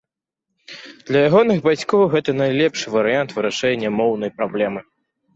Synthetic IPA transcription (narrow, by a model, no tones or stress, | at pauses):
d̪̥lʲɐjaɣɔnɨɣbat͡sʲkɔwɣɛt̪ɐnajlʲɛpʂɨvɐɾɨjant̪vɨɾaʂɛnʲːɐmɔwn̪ɐjpɾablʲɛmɨ